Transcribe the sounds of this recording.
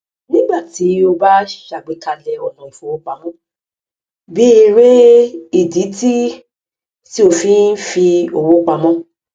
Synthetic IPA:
nĩ˦ɡ͡ba˦˨ti˨˦o˧ba˦˨ʃa˨ɡ͡be˨˦ka˧lɛ˧ɔ˨nɔ̃˨i˨fo˦˨wo˦k͡pa˧mɔ̃˦ | bi˦i˧ɾe˦i˨di˨˦ti˦ | ti˦o˧fĩ˨˦n̩˦fi˧o˨wo˦k͡pa˧mɔ̃˦

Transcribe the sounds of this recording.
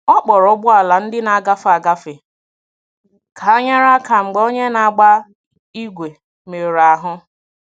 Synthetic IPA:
ɔ˦k͡pɔ˨ɾɔ˦bʊ˦a˨la˨n̩˦dɪ˦na˨a˨ɡa˦fa˨ɡa˦fɪ˨ | kʰa˨a˦ɲa˦ɾa˦ka˨ŋ͡m̩˨ɡ͡bo˦ɲe˦na˨a˨ɡ͡ba˦ | i˦ɡʷe˨ | me˨ɾa˨ɦʊ˦

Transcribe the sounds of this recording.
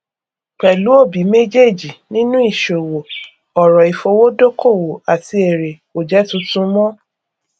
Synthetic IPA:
k͡pɛ˨lu˨˦o˦˨bi˨˦me˦d͡ʒe˦˨d͡ʒi˨nĩ˦nũ˦i˦˨ʃo˨wo˨ | ɔ˨ɾɔ˨i˨fo˧wo˦do˦kʰo˦˨wo˨a˨ti˧˦e˨ɾe˨ko˨d͡ʒɛ˨˦tũ˧˦tũ˦mɔ̃˦

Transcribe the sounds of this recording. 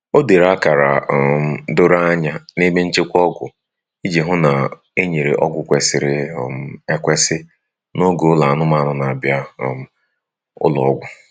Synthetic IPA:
o˦de˨ɾa˦ka˨ɾa˨ | do˦ɾa˦a˦ɲa˦ne˦me˦n̩˦t͡ʃɪ˦kʷɔ˦ɡʷʊ̰˨ | i˦d͡ʒe˨ɦʊ˦na˨ | e˦ɲe˨ɾḛ˨ʔɔ˦ɡʷʊ˨kʷe˨sɪ˨ɾɪ˨m˨e˦kʷe˦sɪ˦ | no˦ɡo˨˦la˨a˨nʊ˦ma˦a˦nʊ˦na˨a˨bja˦˨ | ʊ̰˦lɔ̰˨ɔ˦ɡʷʊ˦

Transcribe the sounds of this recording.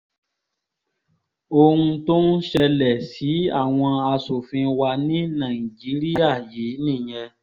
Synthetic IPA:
o˧ũ˧to˦n̩˦ʃɛ˧lɛ˨si˨˦a̰˦˨w̃ɔ̃˧a˧so˨fĩ˧wa˧nĩ˦nã˨i˨d͡ʒi˨˦ɾi˦a˦˨je˨˦nĩ˦˨j̃ɛ̃˧

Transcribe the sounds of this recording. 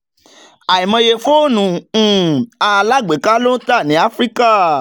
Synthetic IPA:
a˨i˨mã˧je˧fo˦nũ˨˦˨ | a˧la˦˨ɡ͡be˨˦ka˦lo˦ta˦˨nĩ˨˦a˦fɾi˦ka˦˨

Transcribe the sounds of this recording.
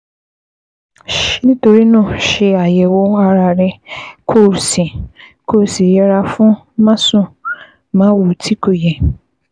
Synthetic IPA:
ʃĩ˦to˨ɾi˦nʊ̃˦ʃɪ˨a˨jɛ˨wo˦a˨ɾa˨ɾɪ˦kʰo˦˨ɾsi˨kʰo˦ɾsi˨jɛ˨ɾa˨fʊ̃˦ | mã˦sʊ̃˦ | mã˦wu˨tʰi˦ko˨jɛ˨

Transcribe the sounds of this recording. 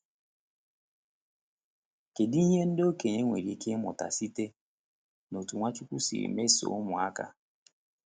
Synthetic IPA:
ke˨di˦i˦ɦe˦n̩˦do˦ke˨ɲe˦ŋʷe˨ɾi˨kʰɪ˦mʊ̰˨ta̰˨si˦te˦ | no˨tu˨ŋʷa˦t͡ʃu˦kʷu˦sḭ˨ɾḭ˨me˦so̰˨ʊ˦mʊ˨a˦ka̰˦

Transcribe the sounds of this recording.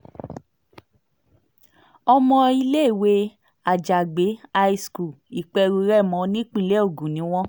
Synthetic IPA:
ɔ˧mɔ̃˧i˧le˦˨we˦ | a˨d͡ʒa˨ɡ͡be˨˦a˧i˧sku˨ | i˨k͡pɛ˧ɾu˧ɾɛ˦˨mɔ̃˨˧˦nĩ˦k͡pĩ˦˧˨le˦o˦˨ɡũ˨nĩ˨˦w̃ɔ̃˦

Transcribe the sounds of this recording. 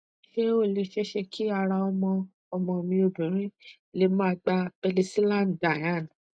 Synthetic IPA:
ʃe˦o˦˨le˧ʃɛ˦ʃe˧kʰi˦a˧ɾa˧ɔ˧mɔ̃˧ | ɔ˧mɔ̃˧mĩ˧o˧bĩ˨ɾ̃ĩ˦˨ | le˧mã˦˧ɡ͡ba˧b̥ɛ˧li˧si˦lã˦˨nda˨jã˦˨n˨

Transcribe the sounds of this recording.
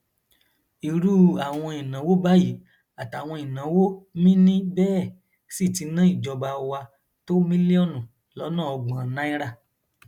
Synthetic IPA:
i˨ɾu˦a˨w̃ɔ̃˧i˨nã˨˦wo˦ba˦ji˨˦ | a˨ta˨w̃ɔ̃˧i˨nã˨˦wo˦mĩ˦nĩ˦bɛː˦˨ | si˦˨ti˧nã˦i˦˨d͡ʒɔ˧ba˧wa˧ | to˦mĩ˦li˦ɔ˦˨nũ˨ | lɔ˨˦nã˦˨ɔ˧ɡ͡bã˧˨˦nã˦i˦ɾa˦˨

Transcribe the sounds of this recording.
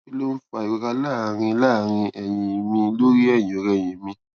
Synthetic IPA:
i˦lo˦n̩˦fa˧˨i˨ɡ͡be˨˧ka˧la˦˨ɾ̃ĩ˧˦la˦˨ɾ̃ĩ˧ʔɛ˨j̃ĩ˨mĩ˧lo˦ɾi˦ɛ˦˨jĩ˨ɔ˨˦ɾɛ˨j̃ĩ˨mĩ˧

